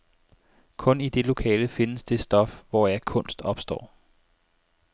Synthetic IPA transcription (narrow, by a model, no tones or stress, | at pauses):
kʰɔ̽nid̥e̝lo̝kʰɛ̰ːləfe̝nəsd̥e̝sd̥ɒ̽fʋɒjɑ̈ɪkʰɔ̽n̰sd̥ɒ̽b̥sd̥ɒ̰ː